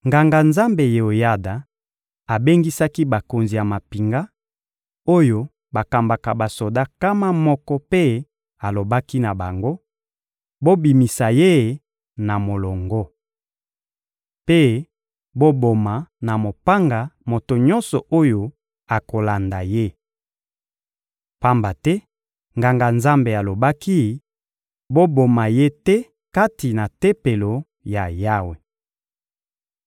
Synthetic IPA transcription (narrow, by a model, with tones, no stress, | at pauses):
ŋɡa˨ŋɡa˨nza˦mbe˨je˨o˨ja˦da˨ | a˨be˦ŋɡi˦sa˦ki˦ba˨ko˨nzi˨ja˨ma˨pi˨ŋɡa˦ | o˦jo˦ | ba˨ka˨mba˨ka˨ba˨so˨da˦ka˦ma˦mɔ˦kɔ˦pe˦ | a˨lo˨ba˦ki˦na˨ba˨ŋɡo˦ | bo˦bi˨mi˨sa˨je˦ | na˨mo˨lɔ˨ŋɡɔ˦ | pe˦ | bo˦bo˨ma˨na˨mo˨pa˦ŋɡa˨mo˨to˨ɲɔ˦nsɔ˨ʔo˦jo˨ | a˨ko˨la˨nda˨je˦ | pa˦mba˨tɛ˦ | ŋɡa˨ŋɡa˨nza˦mbe˨a˨lo˨ba˦ki˦ | bo˦bo˨ma˨je˦tɛ˦ | ka˦ti˨na˨tɛ˦pe˨lo˨ | ja˨ja˦we˨